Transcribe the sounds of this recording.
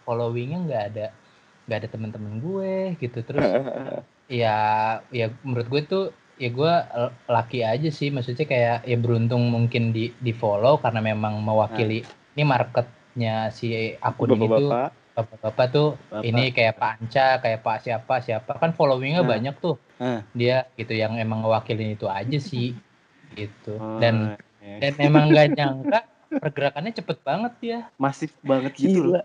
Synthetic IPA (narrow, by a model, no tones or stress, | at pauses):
folowɪŋjaŋɡaːda | ŋɡaːdat̪əmənt̪əmənɡuɛɡit̪ut̪əɾʊs | jajamuɾʊt̪̚ɡuɛt̪ʊ | jaɡualakiad͡ʒasɪhmaksut̪ɲakajajabəɾunt̪̬ʊŋmuŋkɪndidifolokarənamemaŋməwakili | nimarkət̪̚ | ɲasia̰kʊnnit̪u̥ | abpabapat̪ʊhinikajapaːɲt͡ʃakajapasiapasiapakanfolowɪŋɲabaɲak̚t̪ʊh | diaɡit̪ujaŋemaŋəwakilɪnit̪uad͡ʒasɪh | ɡit̪udan | danmemaŋɡaɲaŋkaʔ | pərɡəɾakanɲat͡ʃəpət̪̚baŋət̪̚jamasɪfbaŋət̪ɡiu